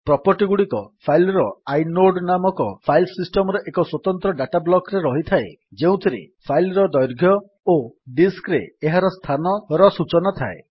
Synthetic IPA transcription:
pɾɔpɔɾʈiɡuɽikɔpʰajlɾɔajnoɖnamɔkɔpʰajlsisʈɔmɔɾɔʔekɔswɔt̪ɔnt̪ɾɔɖaʈablɔkɾeɾɔɦit̪ʰae | d͡ʒeũt̪ʰiɾḭpʰajlɾɔd̪ɔjɾɡʱjɔ | oɖiskɾḛːɦaɾɔst̪ʰanɔɾɔsut͡ʃɔnɔt̪ʰae

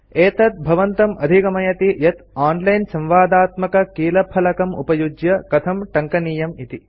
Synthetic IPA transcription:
eːt̪ɐt̪̚bʱɐʋɐnt̪ɐmʔɐd̪ʱikɐmɐjɐt̪ijɐt̪aːnlɐjnsɐ̃mʋaːd̪aːt̪mɐkɐkiːlɐpʰɐlɐkɐmṵpɐjud͡ʒjɐkɐt̪ʰɐmʈɐŋkɐniːjɐmit̪i

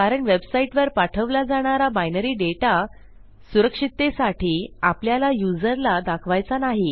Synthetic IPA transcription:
kaɾəɳʋebsaiʈʋəɾpaʈʰəʋlad͡zaɽ̃aɾabajnəɾiːɖeʈa | suɾəkʂit̪ːesaʈʰiːapljalajud͡zəɾlad̪akʰʋajt͡sanaɦi

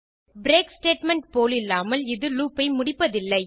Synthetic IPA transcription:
bɾeːksʈeːʈmɛɳʈ̚poːlɪlːaːmɐlɪðɯluːpːɐɪmʊɽɪpːɐðɪlːɐɪ

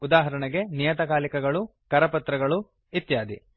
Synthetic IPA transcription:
ud̪aːɦɐɾɐɳɐɡe̞nijɐt̪ɐkaːlikɐɡɐɭukɐɾɐpɐt̪ɾɐɡɐɭu | it̪jaːd̪ḭ

